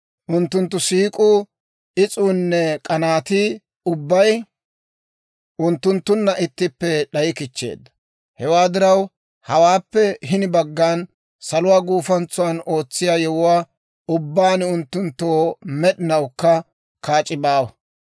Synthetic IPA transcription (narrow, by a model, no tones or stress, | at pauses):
ʔʊnt̪ːʊnt̪ːʊsiːkʼʊ | ɪt͡sʼuːnːɛkʼɐnaːt̪ɪ | ʊbːɐj | ʔʊnt̪ːʊnt̪ːʊnːɐʔɪt̪ːɪpːɛɗɐjɪkɪt͡ʃːḛːd̪ːɐ̥ | hɛwaːd̪ɪɾɐw | hɐwaːpːɛɦɪnɪbɐɡːaːn | sɐlʊwaːɡuːfɐnt͡sːʊwɐno̞ːt͡sːɪjaːjɛwʊwaː | ʊbːaːnʊnt̪ːʊnt̪ːoːmɛɗɪnɐwkːɐ | kaːt͡ʃʼɪbaːwɐ